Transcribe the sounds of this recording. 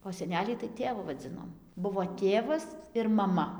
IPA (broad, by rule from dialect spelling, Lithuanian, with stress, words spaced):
oː sʲɛˈnʲæːlʲiː tɐɪ ˈtʲeːʋʊ ʋɐˈd͡zʲɪnoːm ˈbʊʋoː ˈtʲeːʋɐs ɪr mɐˈmɐ